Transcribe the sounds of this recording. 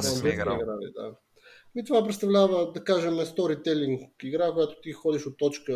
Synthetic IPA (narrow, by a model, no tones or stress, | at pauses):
abɛiiɡɾalḭd̪a̰ | mit̪ovap̬ɾɛt̪st̪ɐvlʲavəd̪ɐkaʒɛmɛst̪ɔɾit̪ɛliŋkiɡɾakojat̪o̥t̪ixɔd̪iʃot̪ːɔt͡ʃkə